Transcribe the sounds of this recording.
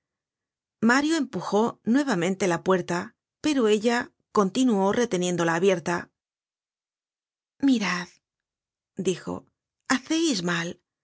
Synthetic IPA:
maɾjoe̞mpuxo̞nwe̞β̞amẽ̞nt̪e̞lapwe̞ɾt̪a | pe̞ɾo̞e̞ʎa | ko̞nt̪inuo̞re̞t̪e̞nje̞nd̪o̞laːβje̞ɾt̪a | miɾað | d̪ixo̞̰ | aθe̞jzmal

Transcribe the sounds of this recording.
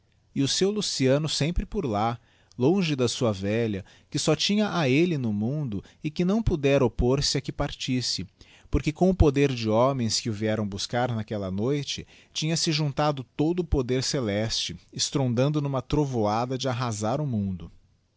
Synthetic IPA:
ɪʊsewlusiɐ̃nʊsẽmpɾɪpoɾla | lõʒɪd̪ɐsuɐvɛʎɐ | kɪsɔt͡ʃĩɲɐʔaelɪnʊmũnd̪ʊɪkɪnɐ̃w̃pud̪ɛɾɐopoɾsɪɐkɪpaɾt͡ʃisɪ | poɾkɪkõw̃ʊpod̪eɾd͡ʒɪɔmẽj̃skɪʊviɛɾɐ̃w̃buskaɾnakɛlɐnojt͡ʃɪ | t͡ʃĩɲɐsɪʒũnt̪ad̪ʊt̪od̪ʊːpod̪eɾselɛst͡ʃɪɪst̪ɾõnd̪ɐ̃nd̪ʊnũmɐt̪ɾovoad̪ɐd͡ʒɪaɦazaɾʊmũnd̪ʊ

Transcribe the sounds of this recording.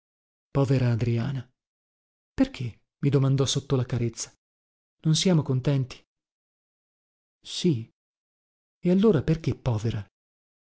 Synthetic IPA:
pɔːveɾaːd̪ɾiaːna | perk̟ʰe | mid̪omand̪ɔsot̪ːolakaɾet̪sːḁ | nonsjaːmokont̪ɛnt̪i̥ | si | ealːoːɾaperk̟epːɔːveɾa

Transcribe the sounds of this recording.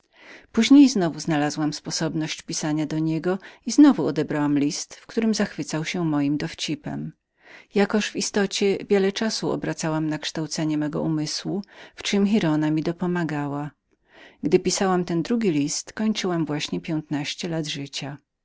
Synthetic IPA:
puʑɲejznɔvuznalazwamspɔsɔbnɔɕt͡ɕpʲisaɲad̪ɔɲɛɡɔiznɔvuɔd̪ɛbɾawamlʲist̪fkt̪uɾɘmzaxfɘt̪sawɕɛmɔjimd̪ɔft͡ɕipɛ̰m | jakɔʂvist̪ɔt͡ɕɛvʲjɛlɛt͡ʂasuɔ̰bɾat̪sawamnakʂt̪awt̪sɛɲɛmɛɡɔ̰ʔumɘswuft͡ʂɘmxʲiɾɔnamʲid̪ɔpɔmaɡawa | ɡd̪ɘpʲisawamt̪ɛnd̪ɾuɡʲilʲist̪kɔɲt͡ʂɘwamvwaɕɲɛpʲjɛnt̪naɕt͡ɕɛlad̪ʐɘt͡ɕa

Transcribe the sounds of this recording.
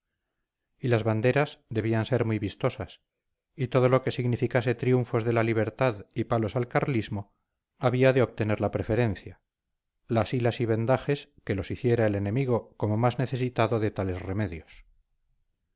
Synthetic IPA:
ilazβand̪e̞ɾazðe̞β̞ianse̞ɾmiβist̪o̞sas | it̪o̞ð̞o̞lo̞ke̞siɣnifikase̞t̪ɾiuɱfo̞zðe̞laliβ̞e̞ɾt̪aðipalo̞salkarlizmo̞ | aβiaðeo̞β̚t̪e̞ne̞ɾlapɾe̞fe̞ɾe̞n̟θja | lasilasiβe̞nd̪aχe̞ske̞lo̞siθje̞ɾaele̞ne̞miɣ̞o̞ko̞mo̞mazne̞θe̞sit̪aðo̞ðet̪ale̞sre̞me̞ðjos

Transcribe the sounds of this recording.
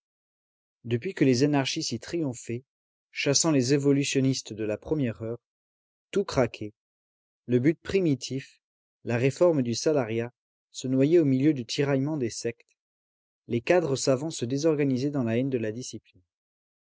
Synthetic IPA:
d̪əpɥikəlezanaʁʃisit̪χijɔ̃fɛ | ʃasɑ̃lezevɔlysjɔnist̪d̪əlapχəmjɛʁœʁ | t̪ukχakʲʰe | ləbyt̪̚pχimit̪ʰif | laʁefɔʁmd̪ysalaʁja | sənwajɛomiljød̪yt̪ʰiʁajmɑ̃d̪esɛkt̪ | lekad̪ʁəsavɑ̃səd̪ezɔʁɡanizɛd̪ɑ̃laɛnd̪əlad̪isiplin

